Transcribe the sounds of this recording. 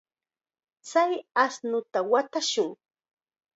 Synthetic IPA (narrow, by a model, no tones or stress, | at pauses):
t͡sajasnʊt̪awat̪aʃʊŋ